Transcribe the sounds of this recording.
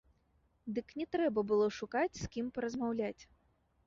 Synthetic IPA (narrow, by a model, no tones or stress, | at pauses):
d̪ɨknʲɛt̪ɾɛbɐbɨlˠɔʂukat͡sʲskʲimpɐɾɐzmawlʲat͡sʲ